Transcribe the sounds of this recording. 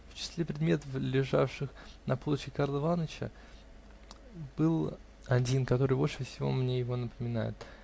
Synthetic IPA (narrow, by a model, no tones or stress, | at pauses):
ft͡ɕɪ̥sʲlʲe̞pɾʲɪd̪mʲe̞t̪əflʲɪʐafʂɨxnɐplot͡ɕʲɪkaɾlˠəvanət͡ɕə̰ | b̥ɨlˠ | ɐdʲinkɐt̪o̞ɾɨjbo̞lʲʂɨfsʲɪvo̞̰mnʲe̞jɪvo̞nəpəmʲɪna̰jɪ̰t̪